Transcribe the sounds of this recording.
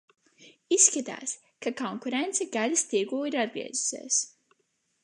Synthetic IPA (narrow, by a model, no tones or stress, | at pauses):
isːkat̪a̰ːs | kakɔŋkuɾent̪sɛɡalast̪iɡuːiɾad̪̚ɡɾḭɛzu̥sḭːs